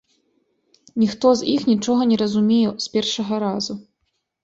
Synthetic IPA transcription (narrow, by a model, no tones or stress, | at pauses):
nʲixt̪ɔzʲixnʲit͡ʂɔɣɐnʲɛɾɐzumʲejɛspʲɛrʂɐɣɐɾazu